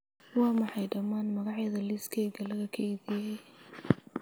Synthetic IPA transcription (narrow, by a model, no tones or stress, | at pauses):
wɑːmɑħɑjɖɐmːaːnmɐɣɑʕjɐðɐliskʰɛːɡɐlɐɣɐkʰɐiðijɛj